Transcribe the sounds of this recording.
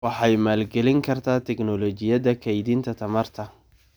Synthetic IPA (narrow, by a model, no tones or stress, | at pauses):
wɑħɑjmaːlɡɛlɪŋkʰɐrt̪ʰaːt̪ʰɛknɔlɔːt͡ʃɪjɐðɐkʰɛjd̪iːnt̪ʰɐt̪ʰɐmɐrt̪ʰɐ